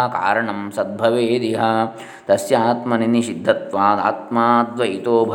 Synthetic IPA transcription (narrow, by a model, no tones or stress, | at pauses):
ka̰ːɾɐɳɐmsɐd̪̚bʱɐʋeːd̪iɦɐ̆ | t̪ɐsjaːt̪mɐniniʃid̪ʱːɐt̪ʋaːd̪a̰ːt̪maːt̪ʋɐit̪oːbʱɐ